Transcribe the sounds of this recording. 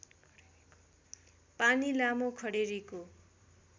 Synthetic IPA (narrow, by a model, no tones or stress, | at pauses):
panilamokʰʌɽeɾiko